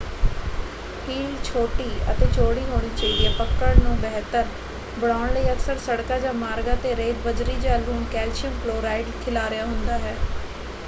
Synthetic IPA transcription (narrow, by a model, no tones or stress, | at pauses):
hiːlt͡ʃʰoːʈiːə̰t̪eːt͡ʃoːɽiːɦoːɽ̃iːt͡ʃəiːd̪iaːpəkːəɽnũːbɛɦt̪əɾ | bəɽaːʊɳ̃ləiːəksəɾsəɽkaːd͡ʒaːmaːɾɡaːt̪eːɾeːd̪bəd͡ʒɾiːd͡ʒaːlɾuːmkɛːlʃɪəmploːɾaːɪɖkʰɪlaːɾɪjaːɦʊnd̪aːɦɛː